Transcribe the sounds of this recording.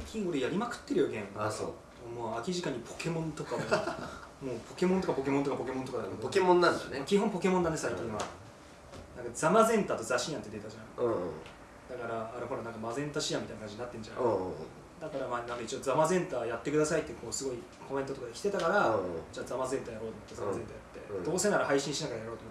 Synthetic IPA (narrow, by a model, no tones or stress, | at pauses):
kʲʰĩɡo̞ɾejaɾʲimakɯ̟̥t̪ːe̞ɾjoɡʲẽ̞mbao̰ | omoːakʲiʑikaɲ̟ːipʰo̞̥ke̞mõnt̪o̞kamo | mo̞ːpʰo̞ke̞mõt̪o̞kapo̞ke̞mõ̞t̪okapo̞ke̞mo̞nt̪okad̪aked̪kemõnːãnd̪snmakʲiɦompo̞kemõnd̪anesaikʲĩɰ̃βa̰ | nãŋkazamazẽ̞nt̪aːt̪o̞zaɕiɲãnt̪ːee̞t̪aʑã | d̪̥akaɾaːɾeɦo̞ɾanãŋkamazẽ̞nt̪aɕijamʲit̪ainakaɲd͡ʑiɲinat̪ːẽ̞ɲd͡ʑã̰ | d̪akaɾamanãŋkait͡ɕio̞zamazẽ̞nt̪aːjat̪ːe̞kɯ̟d̪asait̪ːeko̞ːsɨɡo̞i | kʰo̞ment̪o̞t̪o̞kad̪e̞kʲi̥t̪e̞t̪akaɾad͡ʑaːzamazẽ̞nt̪aːjaɾo̞ːt̪omot̪ːezamazẽ̞nt̪aːjat̪ːe̞̰d̪o̞ːse̞naɾahaiɕĩɰ̃ɕinakaajaɾo̞ːt̪omo